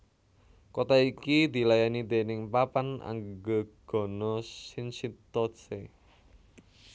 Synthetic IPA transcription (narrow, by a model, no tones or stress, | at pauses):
kot̪aikid̪i̤lajanid̪e̤nɪŋpapana̰ŋɡəɡ̥ɔ̤nɔsinsit̪ɔse